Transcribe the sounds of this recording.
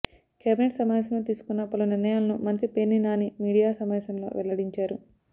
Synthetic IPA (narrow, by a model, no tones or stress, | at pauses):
kjaːbineʈsɐmaʋeːs̬ɐmloːt̪̬iːsu̥kunːɐpɐluniɾnɐjaːlɐnumɐnt̪ɾipenːinaːnimiːɽijaːsɐmʋɛːsɐmlo̞̰ːʋʔɛlːɐɽiɲt͡ʃaːɾu